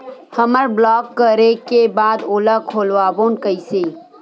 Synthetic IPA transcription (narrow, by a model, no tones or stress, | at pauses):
həməɾblɔːkːəɾekebaːd̪oːlakʰoːlʋaːboːnkəiseː